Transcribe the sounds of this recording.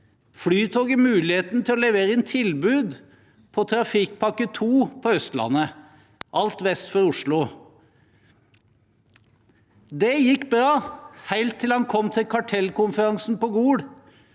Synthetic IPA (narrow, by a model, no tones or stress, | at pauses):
flyːt̪ʰuːɡəmʉːlɪheːt̪nt̪ʰɪlɔlɛʋeːɾəɛnt̪ʰɪlbʉːd̪ | pʰɔt̪ʰɾɑfɪkpʰɑkət̪ʰuːpʰɔœst̪lɑ̰nːə | ʔɑlt̪ʋɛst̪fɔɾʊʂlʊ | d̪ɛjɪkːbɾɑːhæɪlt̪ʰːɪlhɑnkʰɔmt̪ʰɪlkʰɑʈʰɛlkʊnfəɾɑŋsn̩pɔɡuːɽ